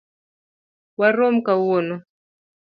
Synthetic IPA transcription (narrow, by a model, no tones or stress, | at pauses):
waɾɔm̩kawonɔ